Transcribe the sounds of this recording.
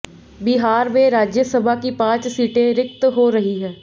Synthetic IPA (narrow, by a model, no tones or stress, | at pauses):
bɪɦaːɾmẽɾaːd͡ʒjəsəbʱakipãːt͡ʃsiːʈẽɾɪk̚t̪ɦoɾɐɦiɦɛː